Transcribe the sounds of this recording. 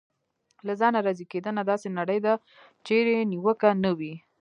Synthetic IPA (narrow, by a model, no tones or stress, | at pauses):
lazɑnaɾɑziked̪ənad̪ɑsenaɽəjd̪a | t͡ʃeɾeniwəkanəwi